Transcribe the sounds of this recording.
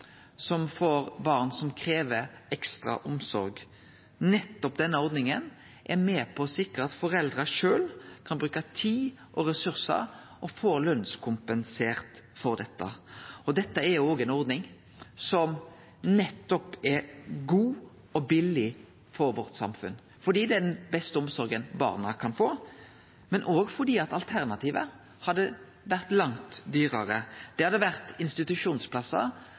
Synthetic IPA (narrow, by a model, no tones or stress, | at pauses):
sɔmfɔɾbɑʁnsɔmkʰɾeːʋəɛkst̪ɾɑ̰ʔʊmsɔ̰ɾɡ | nɛt̪ːɔpd̪ɛnːəɔɾd̪nɪŋən | ʔɛɾmeːpʰɔsɪkːəɑt̪fɔɾɛld̪ɾəʂøːlkʰɑnbɾʉːkɑt̪ʰiːʔɔɾɛsʉɾsə̰ɾ | ʔɔfoːɾlœnskʰʊmpənseːʁt̪fɔɾd̪ɛt̪ːə̰ɔd̪ɛt̪ːəɛɾjʊoːɡɛnɔɾd̪nɪŋ | sɔm | nɛt̪ːɔpɛɾɡuː | ɔbɪlːɪ | fɔɾʋɔɾt̪sɑ̰mfʉ̰n | fɔd̪iːd̪ɛɛd̪ɛnbɛst̪əɔmsɔɾɡənbɑ̰ːʁnəkʰɑnfoː | mɛnʔoːɡfɔʁd̪iːɑt̪ɑlt̪ʰæɾnɑt̪iːʋə̰ | hɑd̪ːə | ʋæɾt̪lɑŋt̪d̪yːɾəɾəd̪̥ɛhɑd̪ːəʋæʁt̪ɪnst̪ɪt̪ʉʂuːnspʰlɑsːə̰